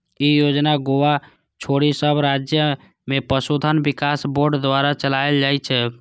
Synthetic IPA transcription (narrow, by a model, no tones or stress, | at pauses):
ijod͡ʒnaɡoʋa | t͡ʃʰoɽisəbɾad͡ʒjə | mepəsud̪ʱənbikasboɾɖd̪ʋaɾat͡ʃəlaeld͡ʒajt͡ʃʰɛ